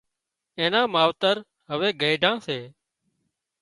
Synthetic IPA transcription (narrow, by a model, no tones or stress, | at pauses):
ẽːnãːmaːʋt̪əɾ | ɦəʋeːɡəːɖʱãːseː